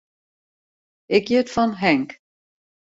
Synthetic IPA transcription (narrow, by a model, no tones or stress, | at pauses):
ɪkjətfɔnɦɛŋk